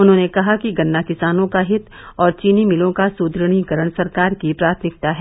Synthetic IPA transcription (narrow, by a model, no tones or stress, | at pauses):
ʊnɦõːnekɐɦakiɡɐnːakɪsaːnõkaɦɪt̪ | ɔːɾt͡ʃiːnimɪlõkasuːd̪ɾəɽ̃ikɐɾəɽ̃sɐɾkaːɾkipɾaːt̪ʰmɪk̚t̪aɦɛ